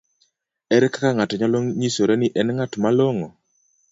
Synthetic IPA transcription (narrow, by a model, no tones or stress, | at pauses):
ɛɾɛkakaŋatɔɲɔlɔŋɲisoɾɛnɪʔɛnŋatmalɔŋɔ